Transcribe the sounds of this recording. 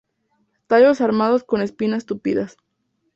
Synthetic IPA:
t̪aʎo̞saɾmað̞o̞sko̞ne̞spinaest̪upḭðas

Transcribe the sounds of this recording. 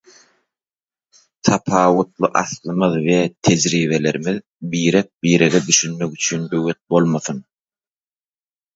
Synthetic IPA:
t̪ʰɑpʰɑːwut̪lˠɯʔɑθlˠɯmɯðwet̪ʰed͡ʒɾiːβe̞le̞ɾimið | biːɾek̚biːɾeɡed̪yʃynmekyt͡ʃʰyːnbøwet̪̚bo̞lˠmɑθɯn

